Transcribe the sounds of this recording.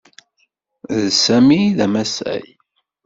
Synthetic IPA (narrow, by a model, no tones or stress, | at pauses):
ðsæmiðæmæsæ̰j